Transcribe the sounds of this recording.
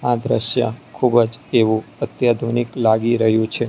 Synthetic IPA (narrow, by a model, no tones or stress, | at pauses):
ad̪ɾəʃja̰kʰubəd͡ʒeʋũət̪jad̪ʱuniklaɡiɾəɦjũt͡ʃʰe